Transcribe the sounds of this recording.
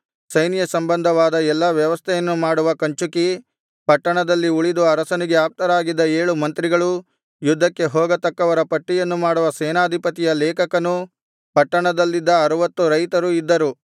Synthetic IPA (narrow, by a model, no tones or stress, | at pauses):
sɐjnijɐsɐmbɐnd̪ʱɐʋaːd̪ɐɛlːɐʋjɐʋɐst̪ʰɛjɐnːumaːɽuʋɐkɐɲt͡ʃuki | pɐʈːɐɳɐd̪ɐlːiuɭid̪uɐɾɐsɐniɡe̞aːp̚t̪ɐɾaːɡid̪ːɐeːɭumɐnt̪ɾiɡɐɭu | jud̪ʱːɐkːe̞ɦɔːɡɐt̪ɐkːɐʋɐɾɐpɐʈːijɐnːumaːɽuʋɐsɛːnaːd̪ʱipɐt̪ijɐlɛːkɐkɐnu | pɐʈːɐɳɐd̪ɐlːid̪ːɐːɾuʋɐt̪ːuɾɐjt̪ɐɾuid̪ːɐɾu